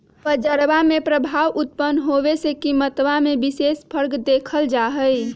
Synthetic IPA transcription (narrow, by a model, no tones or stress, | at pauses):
pəd͡ʒəɾbamepɾəbʱawut̪̚pənɦobesekimət̪ʋamebisespʰəɾɡd̪ekʰəld͡ʒaɦəj